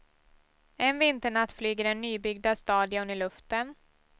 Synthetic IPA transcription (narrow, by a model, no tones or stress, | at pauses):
ɛnvɪnt̪əɳat̪ːflyːɡəɖɛnːyːbʏɡd̪ast̪ɑːd̪jɵnəɭɵft̪ən